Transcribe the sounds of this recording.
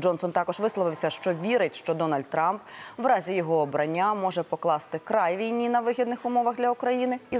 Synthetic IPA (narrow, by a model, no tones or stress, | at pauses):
d͡ʒɔnsɔnt̪ɑkɔʒʋɪslˠɔʋɪwsʲɐʃt͡ʃɔʋʲiɾɪtʲʃt͡ʃɔd̪ɔnɐlʲd̪̚t̪ɾɑmpʋɾɑzʲijɔɦɔːbɾɐnʲːamɔʒɛpɔklˠɑst̪ɪkɾɑjʋʲijnʲinɐʋɪɦʲid̪nɪxʊmɔʋɐɣd̪lʲɐukɾɐjinɪi